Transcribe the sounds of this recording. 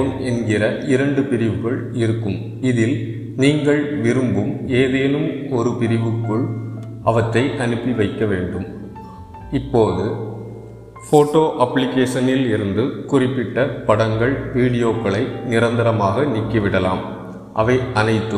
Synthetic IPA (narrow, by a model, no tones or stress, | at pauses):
nɛnɡɪɾɐʔɪɾɐɳɖɯpɪɾɪʋɯɣɐɭɪɾɯkːɯm | ɪðɪl | niːŋɡɐɭʋɪɾɯmbɯmeːðeːnɯmɔɾɯpɪɾɪʋɯkːɯɭʔɐʋɐtːɐɪʔɐnɯpːiʋɐɪkːɐʋeːɳɖɯm | ɪpːoːðɯ | foːʈːoːʔɐpːlɪkeːʂɐnɪlɪɾɯnd̪ɯkʊrɪpːɪʈːɐpɐɽɐŋɡɐɭʋiːɽɪjoːkːɐɭɐɪnɪɾɐnd̪ɪɾɐmaːɣɐnɪkːɪʋɪɽɐla̰ːm | ʔɐʋɐɪʔɐnɐɪt̪ːɯ